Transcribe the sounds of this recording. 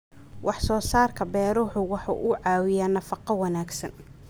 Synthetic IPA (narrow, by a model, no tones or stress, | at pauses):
wɑħsɔːsaːrkʰɐbɛːɾʊːħʊwɑħɑ̰ʔʊʕɑːwɪjaːnɐfɑqɑwɑnaːɡsɐn